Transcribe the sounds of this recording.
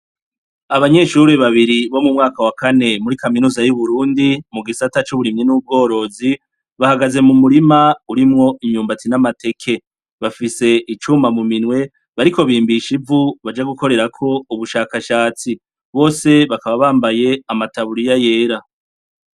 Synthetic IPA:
aβaɲe̞ːʃuɾeβaβiɾiβo̞mumŋaːkawakane̞muɾikaminuːzajuβuɾuːndimuɡisatat͡ʃuβuɾimɲinuːb̚ɡo̞ːɾo̞zi | βahaɡaze̞mumuɾimauɾimŋo̞imɲuːmbat͡sinamate̞kʰe̞ | βafise̞ʔit͡ʃumamuminwe̞ | βaɾiko̞βiːmbiʃivuβad͡ʒaɡuko̞ɾe̞ɾakʰo̞uβuʃaːkaʃaːt͡si | βo̞ːse̞βakaβaβaːmbaje̞amataβuɾijaje̞ːɾa

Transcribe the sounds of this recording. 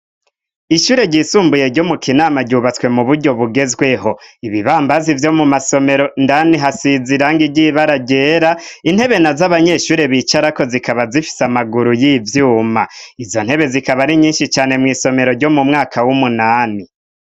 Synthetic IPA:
iʃuːɾe̞ɟiːsuːmbuje̞ɾɟo̞mukinaːmaɟuːβat͡swe̞muβuɾɟo̞βuɡe̞zɡwe̞ɦoiβiβaːmbazivjo̞mumaso̞me̞ɾo̞ndaniɦasiziɾaŋɡiɾɟiβaɾaɟeːɾain̥he̞βe̞nazaβaɲe̞ʃuːɾe̞βit͡ʃaɾako̞zikaβazifi̥samaɡuɾujivjuːma̰izo̞n̥he̞βe̞zikaβaɾiɲiːnʃit͡ʃaːne̞mŋiːso̞me̞ɾo̞ɾɟo̞mumŋaːkʰawumunaːni

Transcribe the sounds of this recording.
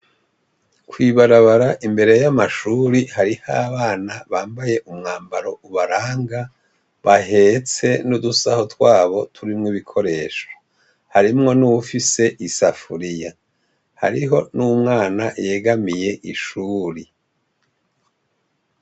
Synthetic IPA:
kwiːβaɾaβaɾaʔimbe̞ɾejamaʃuːɾihaɾihaːβaːnaβaːmbaje̞ʔumŋaːmbaɾo̞ʔuβaɾaːŋɡa | βaɦe̞t͡se̞nudusaho̞twaːβo̞tʰuɾimŋiβikʰo̞ɾe̞ːʃo̥ | haɾimŋo̞nuwufise̞ʔisafuɾija | ha̰ɾiɦo̞numŋaːnaʔje̞ɡamije̞ʔiʃuːɾi

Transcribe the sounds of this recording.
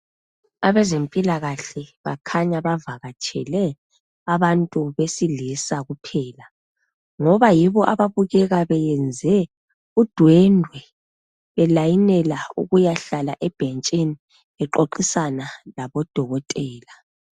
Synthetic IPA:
aβɛzempʼilaɣaɬɛβakʰaɲaβavaɣat͡ʃʰʼɛ̰lɛ | aβantʼuβesilisaɣupʰɛːla | ŋɔβajiβɔʔaβaβuɣɛɣaβɛjɛnd͡zʱɛ | ud̥ʱwɛndʱwɛ | βɛlajinɛlaṵɣujaɬalaʔɛb̥ʱent͡ʃʼini | ɛǃoǃisanalaβɔd̥ʱɔɣɔtʼɛːla

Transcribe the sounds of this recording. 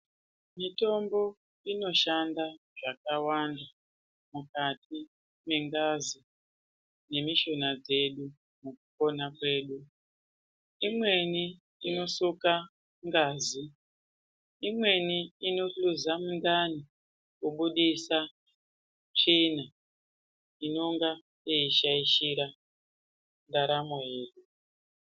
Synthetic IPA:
mito̞mbo̞ | ino̞ʃanda | ʐ̥akawanda | mukatʰi | meŋɡazi | ne̞miʃo̞nad͡ze̞ɗu | mukupo̞nakwe̞ːɗu | imwe̞ni | ino̞suka | ŋɡaːzi | imwe̞niːno̞ɬuzamundani | kuɓuɗisa | t͡ʂina | ino̞ŋɡa | eiʃaiʃiɾa | ndaɾamoje̞ːɗu

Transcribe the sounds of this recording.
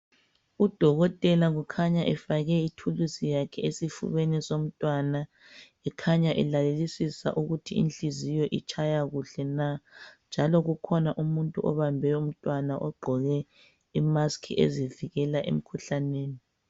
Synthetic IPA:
ud̥ʱɔɣɔtʼɛlaɣukʰaɲaʔɛfaɣɛitʰulusijakʰɛesifṵβenɛsom̩tʼwana | ɛkʰaɲaʔɛlalelisisa̰ʔuɣutʰiḭnt͡ɬʼizijɔʔit͡ʃʰʼajaɣuɬɛnand͡ʒʱalɔɣukʰɔnaʔumuntʼuʔɔβambʱɛum̩tʼwanaʔɔɡ͡ǃʱɔɣɛ | imaskʰḭʔḛziviɣɛlaʔḛm̩kʰuɬaneːni

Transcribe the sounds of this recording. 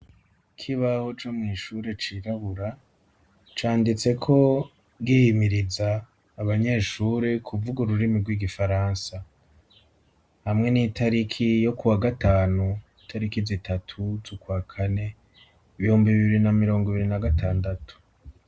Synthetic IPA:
kʰiβaho̞t͡ʃo̞mŋiːʃuɾe̞t͡ʃiːɾaβuɾa | t͡ʃaːndit͡se̞kʰo̞ | ɡihimiɾizaː | βaɲe̞ːʃuːɾe̞kʰuvuɡuɾuɾimiɾɡwiːɡifaɾaːnsa | hamŋe̞nitaɾikʰijo̞kuwaɡataːnuitʰaɾikizitʰatʰuzukwaːkʰane̞ | iβihuːmbiβiββiɾinamiɾo̞ːŋɡiβiɾinaɡataːndatu̥

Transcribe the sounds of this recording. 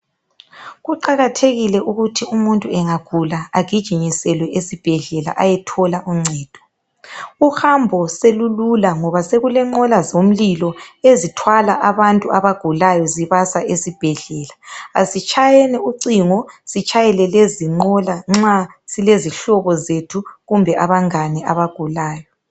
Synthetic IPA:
ɣuǃaɣatʰeɣilɛʔuɣutʰiumuntʼuɛŋaɡ̥ʱulaaɡ̥ʱid̥ʒ̥ʱiɲisɛlwɛʔesib̥ʱɛɮɛla̰ʔajɛtʰɔlaʔuŋ͡ǀʱɛːd̥ʱɔ̥ | uhambʱɔselululaŋɔβaseɣulɛŋ͡ǃɔlazom̩lilɔezitʰwalaʔaβantʼuʔaβaɡ̥ʱulajɔziβasaʔesib̥ʱɛɮɛːlaasit͡ʃʼajɛnɛuǀiŋɔsit͡ʃʰʼajɛlɛleziŋ͡ǀɔlaŋ͡ǁasileziɬɔβɔzetʰuɣumbʱɛʔaβaŋanɛʔaβaɡ̥ʱulaːjɔ

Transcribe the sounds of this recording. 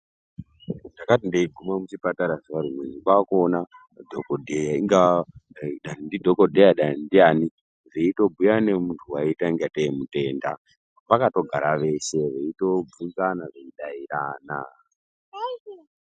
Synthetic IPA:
ndakatindeiɡʱumamut͡ʃipataɾaʐiʋaɾimweniɓakona | dʱokodʱejaiŋɡa | ɗanindidʱo̞kodʱejaɗanindiani | ʐeito̞bʱujanemuntʰuwaitaiŋɡateemute̞ːnda̰ | pakato̞ɡʱaɾaʋe̞ʃe̞ʋeito̞b͡vuɡanaʐeiɗaiɾaːna

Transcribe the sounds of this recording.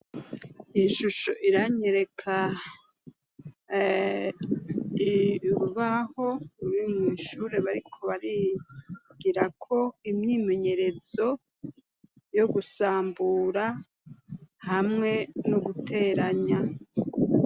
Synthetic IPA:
iʃuʃo̞̰ʔiɾaɲe̞ɾe̞kʰa | ɾuβaho̞uɾimŋwiːʃuːɾe̞βaɾikʰo̞βaɾi | ɡ̥iɾakʰo̞imɲiːme̞ɲe̞ɾe̞z̥o̞ | jo̞ɡusaːmbuɾa | hamŋe̞noɡutʰe̞ːɾaɲa

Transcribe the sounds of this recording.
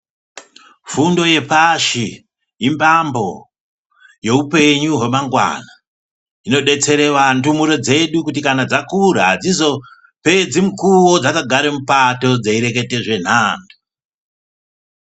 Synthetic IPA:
fundo̞je̞paʃi | imbambo̞ | je̞upe̞ɲuɦe̞maŋɡwa̰na | ino̞ɗe̞t͡se̞ɾe̞ʋantumuɾo̞d͡ze̞ɗukut̬ikanad͡zakuɾaɦad͡zizo̞ | pe̞d͡zimukuwod͡zakaɡʱaɾemupato̞d͡zeiɾe̞ke̞te̞ʐe̞n̤aːndu

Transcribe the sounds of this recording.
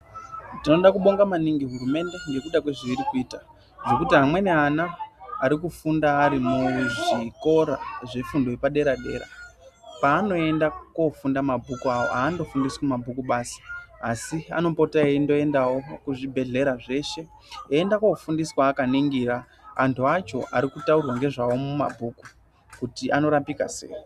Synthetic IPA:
tino̞ɗakuɓo̞ŋɡamaniŋɡiɦurume̞nde̞ŋɡe̞kuɗakwe̞ʐiʋiɾikuiːta | ʐo̞kutiɦamwe̞neanaːɾik̬ufundaːɾimuʐiko̞ɾaʐe̞fundo̞epaɗe̞ɾaɗe̞̰ːɾa̰paːno̞e̞ndakwo̞fundamabʱukuawo̞̰aːndo̞fundiswumabʱukuɓaːsḁasia̰no̞po̞taindo̞e̞ndawo̞kuʐibʱe̞ɮe̞ɾaʐe̞ːʃe̞ | endakokufundiswaːkaniŋɡiːɾa | antuat͡ʃo̞ʔaɾikutaurwaŋɡe̞ʐawo̞muma̰bʱuːku | kutiʔano̞ɾapika̰sḛːi

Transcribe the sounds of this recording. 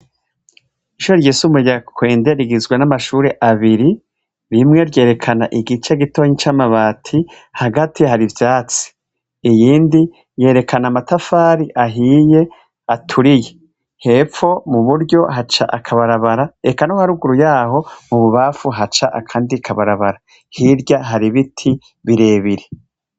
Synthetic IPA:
iʃuɾeɾɟiːsumueɟakwe̞ːnde̞ɾiɡizɡwenamaʃuːɾe̞ʔaβiɾi | ɾimŋe̞ɾɟe̞ːɾe̞kʰanaʔiɡit͡ʃe̞ɡito̞ɲit͡ʃamaβaːtʰi | haɡatʰihaɾivjaːt͡si̥ | ijiːndi | je̞ːɾe̞kʰanamatafaːɾiʔaɦiːje̞ | atʰuɾije̞ | he̞fo̞muβuɾɟo̞hat͡ʃa̰ʔakʰaβaɾaβaɾae̞kanohaɾuɡuɾujaːɦo̞muβuβafuɦat͡ʃaʔa̰kʰaːndiakʰaβaɾaβaɾa | hiɾɟaɦaɾiβitʰi | βiɾe̞ːβiɾe

